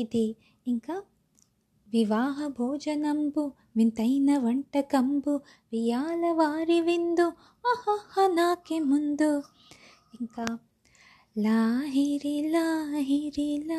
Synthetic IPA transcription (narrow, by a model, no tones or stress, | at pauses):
id̪e | iŋka | ʋiʋaːɦɐbʱoːd͡ʒɐnɐmbu | ʋint̪ɐjnɐʋɐɳʈɐkɐmbu | ʋijaːlɐʋaːɾiʋind̪u | ɐhɐhɐnaːkemund̪u | iŋka | laːɦiɾilaɦiɾila